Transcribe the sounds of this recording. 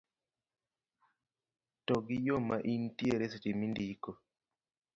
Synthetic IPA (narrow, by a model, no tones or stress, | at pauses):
tɔɡɪjomaʔintjeɾesetimindiko